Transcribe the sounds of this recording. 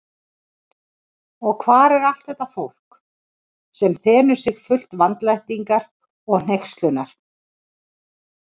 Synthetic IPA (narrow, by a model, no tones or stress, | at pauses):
ɔɣkʰvaːɾɛɾal̥t̪θɛht̪afowl̥k | sɛmθɛːnʏ̥sɪɣfʏl̥t̪vant̪lajht̪iŋkaɾ | ɔɣn̥ejkst̪lʏnaɾ̥